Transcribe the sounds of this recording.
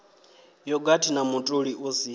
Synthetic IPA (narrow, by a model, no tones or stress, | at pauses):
jɔɡatʰinamutʼuɺiʔusi